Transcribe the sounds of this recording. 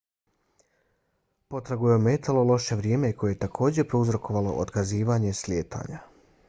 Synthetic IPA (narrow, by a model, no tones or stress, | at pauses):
po̞t̪ɾaɡujeome̞t̪alˠo̞lˠo̞ʃe̞ʋɾjemeko̞jejet̪akʰo̞ːd͡ʑe̞pɾouzɾo̞kʰo̞ʋalo̞̰ʔo̰t̪kaziːʋaːɲe̞slʲjeːt̪ʰa̰ːɲa